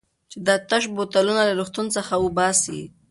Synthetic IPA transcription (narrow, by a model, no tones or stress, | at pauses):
t͡ʃed̪at̪aʃbot̪alunalaɾuxt̪unt͡səxawubɑsḭ